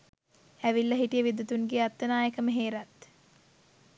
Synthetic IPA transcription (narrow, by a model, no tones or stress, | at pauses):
æʋilːəɦiʈijəʋid̪ut̪unɡeːat̪ːənaːjekəməɦeːɾat̪